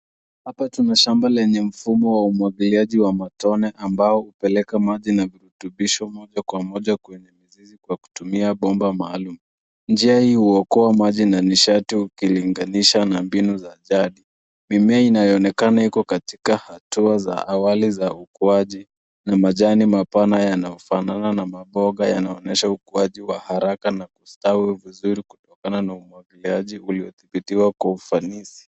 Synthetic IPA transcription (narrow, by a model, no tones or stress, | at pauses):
hapatunaʃambalɛɲɛm̩fumɔwaumwaɡiliaʄiwamatɔnɛʔambaɔhupɛlɛkamaʄinaviɾutuɓiʃɔmɔʄakwamɔʄakwɛɲɛmizizikwaku̥tumiaɓɔmbamaːlumu | nd͡ʒiahihuɔkɔamaʄinaniʃatiukiliŋɡaniʃanambinuzaʄaɗi | mimɛainajɔɔnɛkanaikɔkati̥kahatuaza̰ʔawalizaukuaʄi | namaʄanimapanajanajɔfanananamaɓɔɠaja̰naɔnɛʃaukuaʄiwahaɾakanakustawivizuɾiku̥tɔkananaumwaŋɡiliaʄiuliɔθiɓitiwakwaufanisi̥